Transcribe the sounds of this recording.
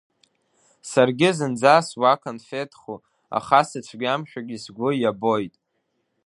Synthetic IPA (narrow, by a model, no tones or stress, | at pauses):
sarɡʲɪzɨnd͡zaswakʰonfetʰχu | a̰χasɨt͡ʃʷʰɡʲamʃᶣaɡʲisɡʷʊjabo̞jtʼ